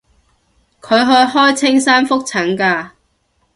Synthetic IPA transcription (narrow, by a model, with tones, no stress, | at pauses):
kʰɵ˨˧ɥɦɵ˧ɥɦɔː˥jt͡sʰɪ˥ŋsaː˥nfʊ˥k̚t͡sʰɐ˨˥ŋkaː˧